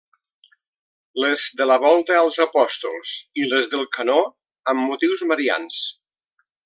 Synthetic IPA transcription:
ləzd̪ələβɔlˠt̪əːlˠzəpɔst̪ulˠsiləzðəlˠkəno | əmːut̪iwzməɾia̰ns

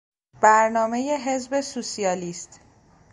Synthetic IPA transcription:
b̥æɾnɒːme̞jeɦe̞zbe̞suːsiɒːliːst̪

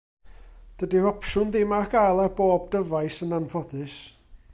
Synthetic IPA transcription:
d̥ədirɔpʰʃʊnðɪmaɡalˠaboːb̚dəvajsənanvɔdɨs

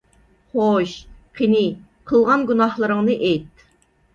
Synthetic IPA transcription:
χoʃqʰinɪ | qʰəlˠʁɑnɡunɑhlˠɨɾəŋnɨʔejt̪̚

